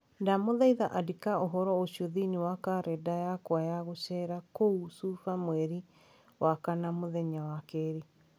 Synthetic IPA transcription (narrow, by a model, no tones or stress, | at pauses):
ndamoðaiðaʔadikaoɦɔɾɔosiɔðiniwakaɾɛdajakwajaɣoɕɛɾakousufamwɛɾi | wʔakanamoðɛɲawakɛːɾi